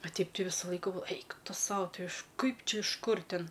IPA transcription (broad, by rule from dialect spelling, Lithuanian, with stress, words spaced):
ɐ ˈtʲɛɪp ˈtʲɪ ˈʋʲɪsʊ ˈlˠɐɪkʊ ˈɛɪk ˈtʊ ˈsɐʊ ɪʃ ˈkɐɪp ˈt͡ʃʲɛ ɪʃ ˈkʊr ˈtʲɪn